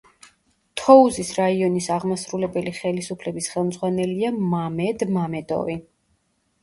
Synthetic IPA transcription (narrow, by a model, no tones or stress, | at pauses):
t̪ʰɔuzisɾaiɔnisaʁmasɾulɛbɛliχɛlisupʰlɛbisχɛlˠmd̪zʁwanɛliamamɛd̪mamɛd̪ɔ̰vi